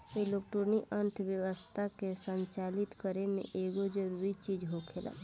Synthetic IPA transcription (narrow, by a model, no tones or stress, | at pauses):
eloːkʈoɾniʔə̃nt̪ʰʋjəʋəst̪ʰakesə̃ɲt͡ʃaːlɪt̪kəɾenḛʔeːɡod͡ʒəɾuɾit͡ʃiːd͡ʒɦokʰeːla̰ː